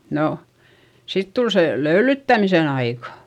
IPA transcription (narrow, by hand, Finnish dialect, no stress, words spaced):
no sit tul se løylytːæmisen ɑikɑ